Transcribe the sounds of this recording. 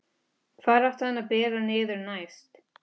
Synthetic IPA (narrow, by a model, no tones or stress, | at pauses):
kʰvaːɾaft̪ahɛnːapɛːɾanɪːðʏɾnajst̪